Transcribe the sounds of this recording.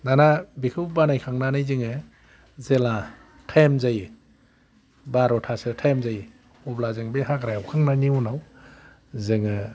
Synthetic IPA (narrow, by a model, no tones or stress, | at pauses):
danabikʰɯwbanajkʰaŋnanajzɯŋɯ | zela | tʰajmzaj | baɾɔtʰasɯtʰajmzaj | ɔblazɯŋbeɦakɾajawkʰaŋnaniunaw | zɯŋɯ